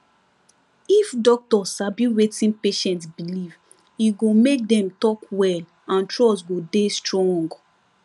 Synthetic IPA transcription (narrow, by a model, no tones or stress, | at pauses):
ifdɔk̚tɔabjuɹetĩnpeʃɛ̃ntsbiliv | iɡomek̚dɛ̃mtɔkwɛl | ãntʰɹɔsɡodestɹɔ̃ŋɡ